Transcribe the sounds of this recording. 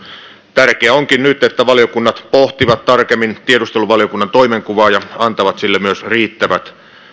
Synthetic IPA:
t̪ærkeæoŋkinnyt̪et̪ːæʋɑlijokunːɑt̪poht̪iʋɑt̪t̪ɑrkemːint̪iedust̪eluʋɑljokunːɑnt̪oimeŋkuʋɑːjɑɑnt̪ɑʋɑt̪silːemyøsriːt̪ːæʋæt̪

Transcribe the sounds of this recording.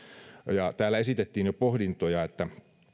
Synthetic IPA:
jɑt̪æːlːæesit̪et̪ːiːnjopohdint̪ojɑet̪ːæ

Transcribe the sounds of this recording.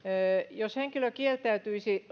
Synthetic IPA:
josheŋkiløkielt̪æyt̪yisi

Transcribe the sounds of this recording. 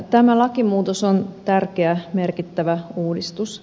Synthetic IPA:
t̪æmælɑkimuːt̪osont̪ærkeæme̞rkit̪ːæʋæuːdist̪us

